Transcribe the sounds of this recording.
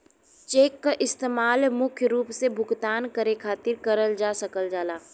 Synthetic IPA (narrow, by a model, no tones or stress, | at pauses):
t͡ʃeːkːaʔɪst̪eːmaːlmʊkʰjəɾuːpsebʱʊɡt̪aːnkəɾekʰaːt̪ɪɾkɐɾəld͡ʒaːsɐkəld͡ʒaːlaː